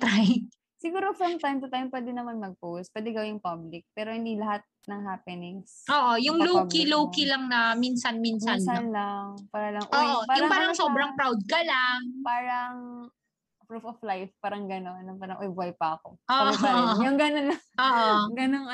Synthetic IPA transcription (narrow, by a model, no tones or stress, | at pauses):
t̪ɾaj̚ | sɪɡuːɾofɹɐmt̪ajmt̪ɐt̪ajmpwɛːd̪ɛnːɐmanmɐɡ̚powst̪̚pwɛːd̪ɛɡɐwɪnʊŋpablɪk̚pɛːɾohɪnd̪ilɐɦat̪̚nɐŋɦaːpɛnɪŋsʔoːʔojʊŋluːkiluːkilɐŋnɐminsɐnminsɐnanlaŋpaːɾɐlɐŋʔoːʔopaːjʊɾpaːɾɐŋsobɾɐŋpɾawd̪̚kɐlaŋpaːɾɐŋ | pɹufoflajfpaːɾɐŋɡɐnonːɐpaːɾɐŋʔojbajpɐɐkoʔoːʔjʊŋɡɐnonlɐŋʔoʔoɡɐnoŋ